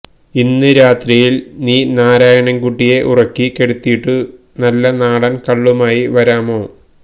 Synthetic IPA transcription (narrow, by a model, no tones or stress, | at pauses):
inːɨɾaːt̪rijilniːnaːɾaːjɐɳɐnkuʈːije̞ʔurɐkːike̞ɽut̪ːijiʈːɨ | nɐlːɐnaːɽɐnkɐɭːumaːjiʋɐɾaːmo̞ː